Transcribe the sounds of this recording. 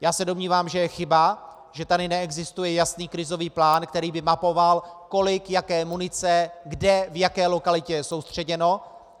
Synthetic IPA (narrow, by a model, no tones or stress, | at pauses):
jaːsɛdo̞mɲiːvaːmʒɛjɛxɪba | ʒɛt̪adɪnɛɛɡzɪst̪ujɛjasniːkɾɪzo̞viːplaːnk̚t̪ɛɾiːbɪmapo̞valko̞lɪkjakɛːmunɪt͡sɛɡdɛvjakɛːlo̞kalɪcɛjɛso̞wst̪r̥ɛɟɛno̞